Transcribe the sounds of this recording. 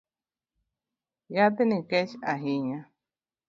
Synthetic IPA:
jat̪enĩket͡ʃaɦiɲã

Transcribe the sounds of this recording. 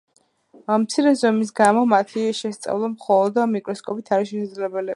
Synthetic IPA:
amt̪sʰiɾɛzɔmis̬ɡamɔmat̪ʰiʃɛst̪sʼa̰vlˠamχɔlˠɔd̪amikʼɾɔskʼɔpʼit̪ʰaɾiʃɛsad̪zlɛbɛli

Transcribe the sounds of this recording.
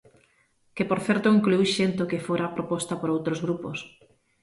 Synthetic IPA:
kepoɾθɛɾt̪oiŋklujʃent̪okɪfoɾapɾopɔst̪apoɾowt̪ɾozɣɾupos

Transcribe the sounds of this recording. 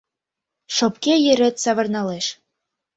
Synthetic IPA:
ʃop̚kejɘ̆ɾə̆t̪sɑβɤ̆rnɑleʃ

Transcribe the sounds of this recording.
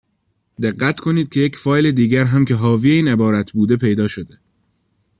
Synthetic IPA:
d̪e̞ɢːæt̪ʰkʰo̞niːd̪̚cʰe̞je̞cfɒːjle̞d̪iːɟæɾɦæmcʰe̞ɦɒːvieiːne̞bɒːɾæt̪ʰbuːd̪e̞pʰe̞jd̪ɒːʃo̞d̪e

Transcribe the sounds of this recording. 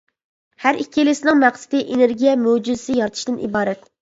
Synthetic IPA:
hæɾʔikʲʰːielɪsɪnɨŋmæχsɪ̥d̪ɪʔeneɾɡʲijɛmød͡ʒyzɪsɪjɑɾt̪ʰɨ̥ʃd̪ɨnḭbɑːɾɛt̪

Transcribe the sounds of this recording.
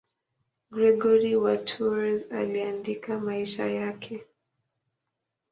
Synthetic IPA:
ɡɾɛɡɔɾiwatʰuza̰liandikamaiʃa̰jakʰɛ

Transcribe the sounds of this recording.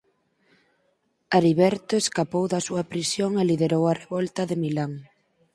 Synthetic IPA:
aɾiβɛɾt̪oeskapowðɐsuɐpɾisjoŋeliðeɾowɐreβɔlt̪ɐðemilaŋ

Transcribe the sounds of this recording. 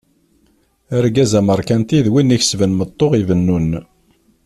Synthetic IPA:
əɾɡæzæməɾˤkænt̪iðwinːiç̥svənmət̪ˤːoʁivənːun

